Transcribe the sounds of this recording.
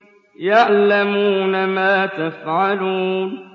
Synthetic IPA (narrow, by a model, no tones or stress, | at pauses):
jaʕlamuːnamaːt̪afʕaluːn